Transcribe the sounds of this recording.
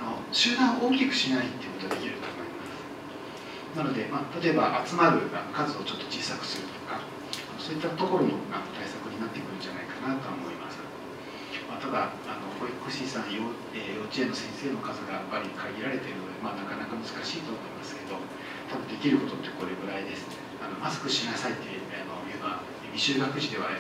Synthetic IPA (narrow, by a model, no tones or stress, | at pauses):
ano̞ɕɨːd̪ãɰ̃ʔoːkʲikɯ̟̥ɕinait̪ːe̞iɯ̟kot̪oad̪e̞kʲiɾɯ̟t̪omoimasɨ̥ | nano̞d̪e̞maːt̪at̪o̞ebaʔat͡sɨmaɾɯ̟ɡa̰kazɨo̞t͡ɕo̞t̪ːo̞̥t͡ɕiːsakɯ̟̥sɨɾɯ̟t̪o̞̥ka | ano̞so̞ːit̪ːat̪o̞ko̞ɾo̞noɡanot̪aisakɯ̟ɲ̟inat̪ːe̞kɯ̟ɾɯ̟̃ɲd͡ʑana̰ikanat̪o̞amo̞ima̰sɨ̥ | mat̪ad̪aː | no̞hoikoɕisãɰ̃jo | ejo̞ːt͡ɕieno̞sẽ̞se̞ːno̞kazɨɡajapːaɾʲikʰaɡʲiɾaɾe̞t̪e̞ɾɯ̟no̞d̪e̞maːnakanakamɯ̟zɨkaɕiːt̪omo̞imasɨ̥ke̞d̪o̞ | t̪abɯ̟nd̪e̞kʲiɾɯ̟ko̞t̪o̞t̪ːe̞ko̞ɾeɡɯ̟ɾaid̪e̞sɨ̥ | ano̞masɨ̥kɯ̟ɕinasait̪ːejɯ̟anoeba | mʲiɕɨːɡakɯ̟ʑid̪e̞βa